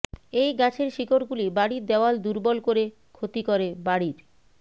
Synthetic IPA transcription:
ejɡat͡ɕʰeɾʃikoɾɡulibaɽiɾd̪eoald̪uɾbɔlkoɾe | kʰot̪ikoɾebaɽiɾ

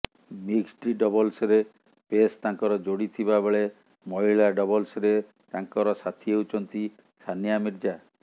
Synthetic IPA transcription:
miksʈiɖɔbɔlsɾe | pest̪aŋkɔɾɔd͡ʒoɽit̪ʰibabeɭe | mɔɦiɭaɖɔbɔlsɾe | t̪aŋkɔɾɔsat̪ʰieut͡ʃʰɔnt̪i | sʰanijamiɾd͡ʒa

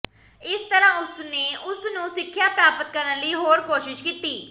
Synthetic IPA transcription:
ɪst̪əɾãːʊsneːʔʊsnũːsɪkʰːjaːpɾaːpət̪kəɾənləiːɦoːɾkoːʃɪʃkiːt̪iː

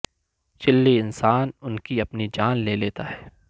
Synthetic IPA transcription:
t͡ʃɪlːeɪnsaːnʊnkiɐpnid͡ʒaːnleːleːt̪aɦɛː

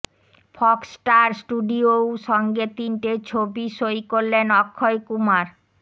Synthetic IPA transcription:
fʰɔksʈaɾsʈuɖiowʃɔŋɡet̪inʈet͡ɕʰobiʃojkoɾlenɔkʰːoekumaɾ

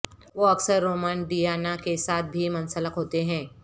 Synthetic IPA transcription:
ʋoːɐksəɾːoːmənɖijaːnakesaːt̪̚ʰbʱimɐnsələkɦoːt̪eɦɛ̃ː

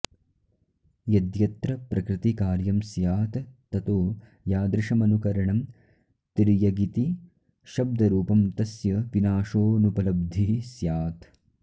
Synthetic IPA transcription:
jɐd̪jɐt̪ɾɐpɾɐkɾɪt̪ikaːɾjɐmsjaːt̪ː | ɐt̪oː | jaːd̪ɾɪʃɐmɐnukɐɾɐɳɐm | t̪iɾijɐɡit̪i | ʃɐb̚d̪ʱɐɾuːpɐmt̪ɐsjɐʋinaːʂoːnupɐlɐb̚d̪ʱisjaːt̪

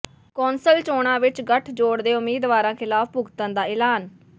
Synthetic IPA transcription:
koːnsəlt͡ʃoːɳ̃ãːʋɪt͡ʃɡəʈʰd͡ʒoːɽd̪eːʊmeːd̪ʋaːɾãːkʰɪlaːfbʊɡt̪ənd̪aːɪːlaːn

